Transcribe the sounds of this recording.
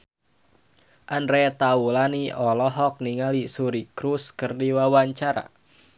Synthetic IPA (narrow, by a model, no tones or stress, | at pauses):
ʔanɾet̪aulaniɔlɔɦɔk̚niŋalisuɾikɾuskərdiwawaɲt͡ʃaɾa̰